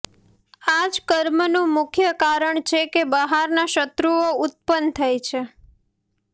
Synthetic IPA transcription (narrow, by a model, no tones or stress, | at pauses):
ad͡ʒkəɾmənũmʊkʰjəkaɾəɳt͡ʃʰekebəɦaɾnaʃət̪ɾuoʊt̪̚pənt̪ʰəjt͡ʃʰe